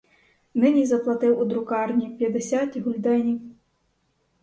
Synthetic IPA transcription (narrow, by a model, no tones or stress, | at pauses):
nɪnʲizɐplˠat̪ɪwud̪ɾʊkɑrnʲipʲjɐd̪ɛsʲat̪ʲɦulʲd̪ɛnʲiw